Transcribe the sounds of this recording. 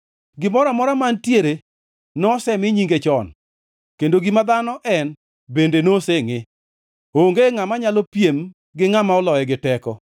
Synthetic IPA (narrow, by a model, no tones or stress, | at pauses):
ɡɪmɔɾɔmɔɾɔmantjeɾe | nɔsɛmɪɲiŋɡet͡ʃɔn | kendoɡimad̪anɔʔɛn | bendenoseŋɪ | oŋɡeŋamaɲalopjem | ɡɪŋamaɔlɔjɛɡɪtɛkɔ